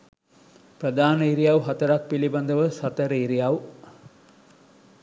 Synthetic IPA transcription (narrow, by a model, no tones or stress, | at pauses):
prəd̪aːnəiɾijawɦat̪əɾak̚piliband̪əʋəsat̪əɾəiɾijaw